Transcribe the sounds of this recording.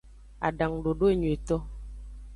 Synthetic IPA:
a̰˨ɖa˨ŋɖo˨ɖo˦e˦˨ɲwe˨tɔ˦

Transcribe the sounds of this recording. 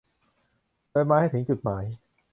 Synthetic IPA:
lɤː˧jmaː˧ha˥˩jt̪ʰɯ˩˦ŋt͡ɕu˨˩t̪̚maː˩˦j

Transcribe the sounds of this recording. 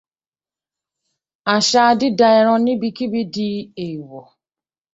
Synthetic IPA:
a˨ʃa˦dɪ˦da˨ɛ˨ɾɔ̃˦nɪ˦bi˦ki˦bi˦di˦e˨wo˨

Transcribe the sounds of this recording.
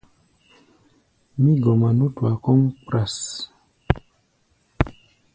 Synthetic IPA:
mi˦ɡɔ˨ma˨nu˦twa˨kɔ˦ŋk͡pɾa˨s

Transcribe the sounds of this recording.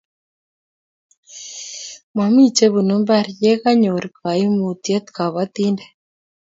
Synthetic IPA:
mwa˨mi˦t͡ʃe˦βu˨nu˦mba˦˨ɾije˦ɣa˦ɲo˨ɾi˨ka˨i˦mu˨ti˦e˦t̪ka˨βa˦t̪i˦nde˨

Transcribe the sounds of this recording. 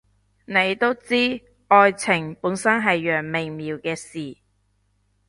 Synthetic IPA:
ne˨˧jt̪o˥wt͡siː˥ | ʔɔː˧jt͡sʰɪ˨˩ŋpuː˨˥nsɐ˥nɦɐ˨jːœː˨˩ŋmɪ˨˩ŋmiː˨wkɛː˧siː˨˩

